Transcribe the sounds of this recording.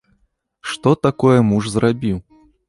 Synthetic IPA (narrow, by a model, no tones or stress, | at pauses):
ʂt̪ɔt̪akɔjɛmuʐzrʔabʲiw